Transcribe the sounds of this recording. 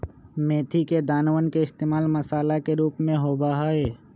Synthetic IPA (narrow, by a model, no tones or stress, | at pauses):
meːt̪ʰiked̪aːnwənkeɪst̪eːmaːlməsaːlakeɾuːpmẽɦoːbaɦaeː